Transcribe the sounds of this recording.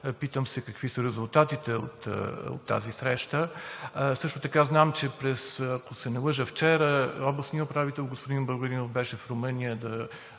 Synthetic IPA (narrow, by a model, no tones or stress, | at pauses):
pit̪əmsɛkɐkvisəɾɛzulˠt̪at̪it̪ɛo̰t̪o̰t̪ːa̰zisɾɛʃt̪ə | sɤʃt̪ʊt̪ɐkaznamt͡ʃɛpɾɛsɐkosɛnɛlˠɤʒəft͡ʃɛɾəɔblˠəsnijəʊpɾavit̪ɛlˠɡospod̪inbˠəɡəɾinofbɛʃɛfɾomɤnijəd̪ɐ